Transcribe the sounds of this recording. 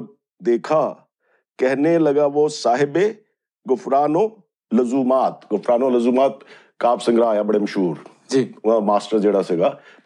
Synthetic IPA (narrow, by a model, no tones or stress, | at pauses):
d̪eːkʰa | kɛɦnelɐɡaʋosaːɦɪbe | ɡʊfɾaːno | lɐzuːmaːt̪ɡʊfʰɾaːnolɐzuːmaːt̪ | kaːpsɐ̃ŋɡɾaɦjabɐɽemɐʃɦuːɾ | d͡ʒiːãmaːsʈəɾd͡ʒeːɽaseɡaː